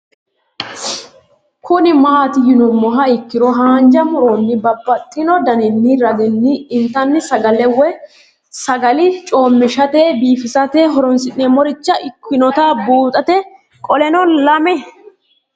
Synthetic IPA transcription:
kʰʊnɪmaːt̪ɪjɪnʊmːɔɦɐɪkːɪɾɔɦaːnd͡ʒɐmʊɾɔnːɪbɐbːɐt̪ʼːɪnɔd̪ɐnɪnːɪɾɐɡ̪ɪnːɪːnt̪ɐnːɪsɐɡɐlɛwɛ | sɐɡɐlɪt͡ʃʼo̞ːmːɪʃɐt̪eːbiːfɪsɐt̪eːɦɔɾɔnsɪnːemɔɾɪt͡ʃːɐʔɪkːɪnɔt̪aːbuːt̪ʼɐt̪ɛ | kʼɔlɛnɔlɐmɛ

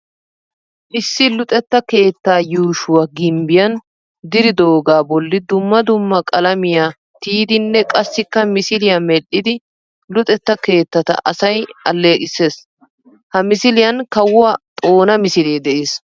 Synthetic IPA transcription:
ʔɪsːɪlʊt̪ʼɛt̪ːɐke̞ːt̪ːaːjuːʃʊwaɡɪmbɪjɐn | d̪ɪɾɪd̪o̞ːɡaːbɔlːɪd̪ʊmːɐd̪ʊmːɐkʼɐlɐmɪjaː | t̪iːd̪ɪnːɛkʼɐsːɪkːɐmɪsɪlɪjamɛɗːɪd̪ɪ | lʊt̪ʼɛt̪ːɐke̞ːt̪ːɐt̪ɐ̰ʔɐ̰sɐjɐlːe̞ːkʼɪsːe̞ːs | hɐmɪsɪlɪjɐnkɐwʊwat̪ʼo̞ːnɐmɪsɪleːd̪ɛʔeːs

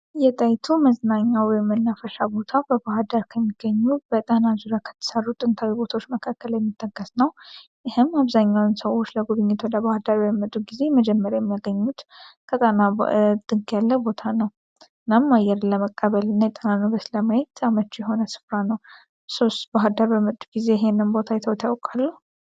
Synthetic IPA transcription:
jɛt̪ʼajt̪ʰuməznaɲːawɔjmːənːafəʃabo̞t̪ʰabəbahd̪əɾkʰəmːiɡ̥ːəɲːubət̪ʼənazuɾjakʰə̥t̪ʰə̥sərːut̪ʼɨnt̪ʰawibo̞t̪ʰawot͡ʃːməkʰakːəljɛmːit̪ʰːəɡːəsnəw | jɪhɨmaβzaɲːawnsəwo̞t͡ʃːləɡuβɨɲːɪt̪wɔd̪əβahd̪əɾjɛmːət̪ʼːuɡize̞məd͡ʒɛmːəɾjajɛmːaɡəɲːut̪kʰət̪ʼənad̪̥ɨɡjalːəbo̞t̪ʰanəw | ɨnːamːajɛɾləməkʼːəβəlɨnːajɛt̪ʼənanɨβəsləmajɛt̪ʰamət͡ʃːujɛɦo̞nəsɨ̥fɾanəw | so̞st̪baɦad̪əɾbəmət̪ʼːuɡize̞jɪɦenːɨnbo̞t̪ʰajɛt̪ʰəwt̪ʰjawkʼalːəhu

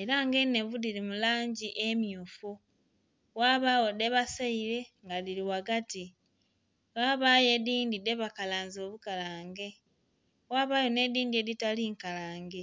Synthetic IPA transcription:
e̞ɾaŋɡene̞βudiɾimulaːɲɟiʔemjuːfu | waːβaːwo̞de̞βasaiɾe̞ŋɡaðiɾiwaɡati | waːβaje̞diːndide̞βakalaːnzo̞ːβukalaːŋɡe̞ | waːβaːjo̞ne̞diːndieditaliŋkalaːŋɡe̞

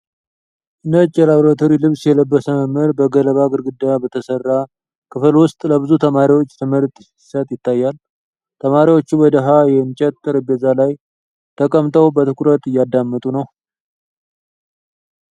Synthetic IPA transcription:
ʔɨnət͡ʃʼːɛlaβɾat̪ʰoɾilɨβsjɛləbːəsəməməɾbəɡələβaɡɨɾɡɨd̪ːabət̪ʰəsərːa | kʰɨflwʊst̪ʼləbɨzut̪ʰəmaɾiwo̞t͡ʃːt̪ʰɨməɾt̪ʼ | i̥sət̪ʼjɪt̪ːajːal | t̪ʰəmaɾiwo̞t͡ʃːuwɔd̪əɦajɛɨnt͡ʃʼɛt̪ːɨɾɨbɛzalaj | t̪ʰəkʼəmt̪ʰəwbət̪ʰɨkʰuɾət̪ʼɨjːad̪ːamːət̪ʼunəw

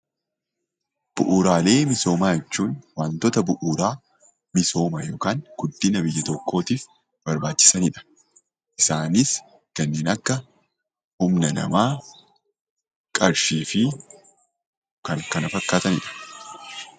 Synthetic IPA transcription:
b̥ʊʔuːɾaːle̞ːmɪso̞ːmaːjɛt͡ʃːuːnwaːnt̪ɔt̪ɐbʊʔuːɾaː | mɪso̞ːmɐjo̞ːkaːŋɡ̥ʊd̪ːɪnɐbɪjːɐt̪ɔkʰːo̞ːt̪iːf | b̥ɐɾbaːt͡ʃːɪ̥sɐnɪᶑɐ̥ | ʔɪsaːnɪs | kɐnːeːnɐkːɐ | hʊmnɐnɐ̰maː | kʼɐɾʃiːfɪ | kɐŋkɐnɐfɐkːaːt̪ɐnɪ̰ᶑɐ̥

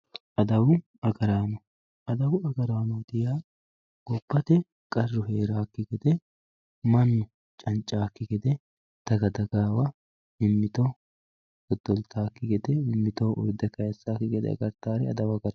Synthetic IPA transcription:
ʔɐd̪ɐwʊ | ɐɡɐɾaːnɔ | ɐd̪ɐwʊɐɡɐɾaːnɔd̪ɪjaː | ɡ̥ɔpːɐt̪ɛ | kʼɐrːʊɦeːɾaːkːɪɡɛd̪ɛ | mɐnːʊ | t͡ʃʼɐnt͡ʃʼːaːkːɪɡɛd̪ɛ | t̪ɐɡɐd̪ɐɡaːwɐ | ɪmːɪt̪ɔ | ɡɔd̪ːɔlt̪ʰaːkːɪɡɛd̪ɛɪmːɪt̪ɔʔɔ̰jd̪ɛkɐjɛsːaːkːɪɡɛd̪ɛ̰ɐ̰ɡɐɾt̪aːɾɛɐ̰d̪ɐwɐɡɐɾɐ

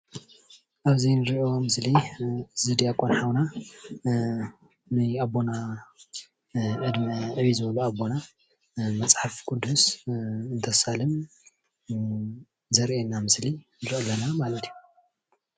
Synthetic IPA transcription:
ʔaβzinɨɾiʔo̞mɨslizɨd̪ijakʼːonħawna | nɨabːo̞na | ʕɨd̪mɐʕɨβizɨβɐluabːo̞na | mɐt͡sʼħafkʼud̪ːusɨnt̪ʰɐsalɨm | zɐɾʔenːamɨslinɨɾʔɐlːɐnamalɐt̪ʰiju

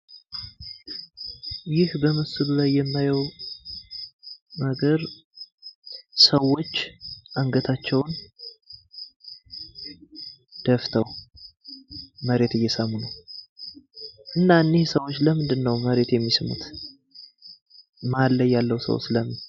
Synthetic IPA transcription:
jɪhbəməsɨlulajːɛmːajɛw | məɡəɾ | səwːo̞t͡ʃːʔaŋɡət̪ʰat͡ʃːɛwn | d̪̥əft̪ʰəw | məɾe̞t̪ɨjːɛsəmːunəw | ʔɨnːaɨnːihsəwːot͡ʃːləmɨnd̪ɨnːəwməɾe̞t̪jɛmːisɨmṵt̪ | malːəjːalːəwsə̰w̰sləmɨn

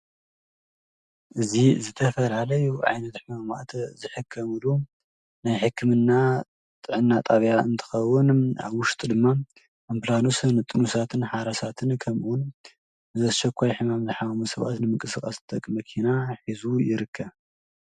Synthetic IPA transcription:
ʔɨzizɨt̪ʰɐfɐlalɐjuʕa̰jnɐt̪ħɨmama̰t̪zɨħɨkʰːɐmɨlu | najħɨkʰːɨmɨnːa | t̪ʼɨʕɨnːat̪ʼaβjaɨ̰nt̪ʰɨ̥xɐwːʊna̰βwʊʃt̪ʼd̪ɨmːa | omplanusɨnɨt̪ʼɨnusat̪ʰɨnħaɾɐsat̪ʰɨnkʰɐmʔun | ɨzɐʃɐkʷʰːajħɨmamzɨħawmusɐβa̰t̪nɨmɨŋkʼɨsɨkʼɐst̪ʼɐkʼmɐkʰinaħizujɪɾɨkʰːɐβ

